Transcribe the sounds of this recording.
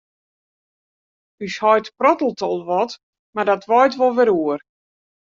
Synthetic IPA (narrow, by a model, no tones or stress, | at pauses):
yshɔjtprɔtəl̩ˠtʰɔlˠʋɔt | mardɔtʰʋɔjtʋɔlˠʋɪɾuər